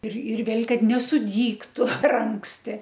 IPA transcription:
ɪr ɪr ˈʋʲeːlʲ ˈkɐt nʲɛsʊˈdʲiːktʊ pʲɛr ˈɐŋksʲtʲɪ

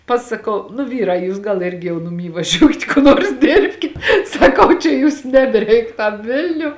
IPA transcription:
pɐsɐˈkɐʊ nʊ ˈʋʲiːrɑː ˈjuːs ɡɐlˠ ˈɪrʲɡʲɪ jɛʊ nʊˈmʲiː ʋɐˈʒʲuːkʲɪt kʊ ˈnuɔrs ˈdʲeːrʲpʲkʲɪt sɐˈkɐʊ t͡ʃʲɛ ˈjuːs nʲɛbʲɛˈrʲɛɪk tɐm ˈʋʲɪlʲnʲʊ

